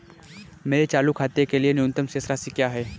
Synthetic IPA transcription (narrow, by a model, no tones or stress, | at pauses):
meːɾet͡ʃaːlukʰaːt̪ekelienʊʊ̃nt̪əmseːsɾasikjaːɦɛː